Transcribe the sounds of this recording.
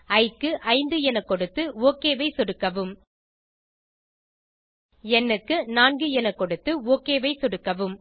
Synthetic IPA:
ɐɪkːɯʔɐɪnd̪ɯɛnɐkːɔɽɯt̪ːɯoːkeːʋɐɪsɔɽɯkːɐʋɯm | ɛnːɯkːɯnaːnɡɯɛnɐkːɔɽɯt̪ːɯoːkeːʋɐɪsɔɽɯkːɐʋɯm

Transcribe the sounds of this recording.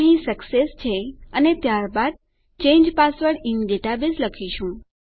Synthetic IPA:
ɦĩsəksest͡ʃʰeənet̪jaɾbad̪̚ | t͡ʃẽɲd͡ʒpasʋəɽɪnɖeʈabisləkʰiʃũ

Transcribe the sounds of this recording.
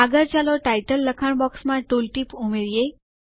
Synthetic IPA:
aɡəɾt͡ɕaːloʈaːɪʈəlːəkʰəɽ̃bɔːksmãʈuːlʈipumeɾije

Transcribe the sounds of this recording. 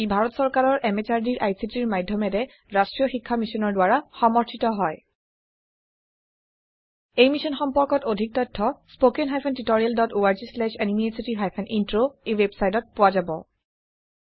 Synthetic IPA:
ibʱaɹɔtsɔɹkaɹɔɹʔɛmet͡ʃaɹdiɹʔajsitiɹmajdʱjɔmɛtɛ | ɹastɹijɔxikʰːamisɔnɔɹdʊwaɹaxɔmɔɹtʰitɔɦɔj | ejmisɔnxɔmpɔɹkɔtodʱik̚tɔtʰːɔspokɛnɦajpʰɛntitoɹialdɔtoaɹzislɛʃenimietsitiɦajpʰɛnʔintɹoewebsajtɔt̚pʊwazabɔ̰

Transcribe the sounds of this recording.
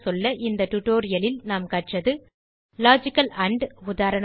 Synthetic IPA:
sɔlːɐʔɪnd̪ɐʈʊʈoːɾɪjɐlɪlnaːmkɐʈrɐðɯ | laːd͡ʒɪkːɐlɐɳɖʊðaːɾɐɳ

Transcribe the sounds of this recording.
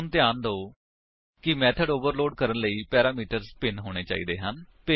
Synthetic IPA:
nt̪ɪjaːnd̪oː | kɪmɛːt̪ʰəɖoːʋəɾloːɖ̚kəɾənləiːpɛːɾaːmiːʈəɾspɪnɦoːɽ̃eːt͡ʃa̰ːḭːd̪eːɦənpe

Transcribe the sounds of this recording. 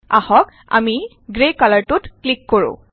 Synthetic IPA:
ahɔk | a̰mi | ɡɹekalaɹtutklikːoɹṵ̃

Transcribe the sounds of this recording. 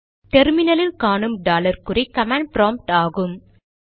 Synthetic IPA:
ʈɛɾmɪnɐlɪlkaːɳɯmɖaːlɐɾkɯɾɐɪkɐmaːɳɖ̚pɾaːmp̚ʈaːɣɯm

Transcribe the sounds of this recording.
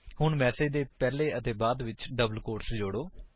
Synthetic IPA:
hʊɳmɛːseːd͡ʒd̪eːpɛːleːət̪eːbaːd̪ʋɪt͡ʃɖəbəlkoːʈsd͡ʒoːɽoː

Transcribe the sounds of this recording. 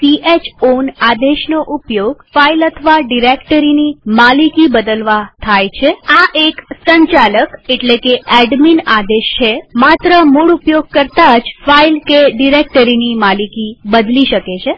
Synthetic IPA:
siet͡ʃonad̪eʃnoʔupjoɡfailət̪ʰəʋaɖiɾekʈəɾinimalikibəd̪əlʋat̪ʰajt͡ʃʰeaʔeksəɲt͡ʃaləkeʈlekeʔɛɖminad̪eʃt͡ʃʰemat̪ɾəmuɭupjoɡ̚kəɾt̪ad͡ʒfailkeɖiɾek̚ʈəɾinimalikibəd̪liʃəket͡ʃʰe

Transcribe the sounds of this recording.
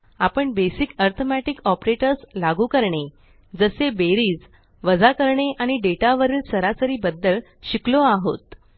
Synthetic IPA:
apəɳbesikəɾt̪ʰomæʈikɔpɾeʈəɾslaɡuːkəɾɳe | d͡zəsebeɾiːd͡z | ʋəd͡zakəɾɳeʔaɽ̃iɖeʈaʋəɾiːlsəɾasəɾiːbəd̪ːəl | ɕikloaɦo̰t̪

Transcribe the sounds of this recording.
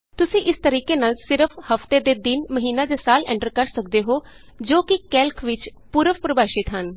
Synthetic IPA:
t̪ʊsĩːʔɪst̪əɾiːkeːnaːlsɪɾəpʰhəft̪eːd̪eːd̪ɪnməɦiːnãːd̪eːsaːlɛ̰̃ːɳʈəɾkəɾsək̚d̪eːɦoː | d͡ʒoːkɪkɛːlkʰʋɪt͡ʃpuːɾəfpɾəbaːʃɪt̪ɦən

